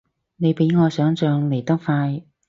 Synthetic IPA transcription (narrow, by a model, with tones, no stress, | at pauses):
ne˨˧jpe˨˥jŋɔː˨˧sœː˨˥ŋsœː˨˧ŋle˨˩jt̪ɐ˥k̚faː˧j